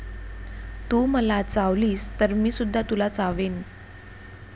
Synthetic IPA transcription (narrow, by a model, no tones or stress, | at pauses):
t̪uːməlat͡saʋliːst̪əɾmiːsud̪ʱːat̪ulat͡saʋen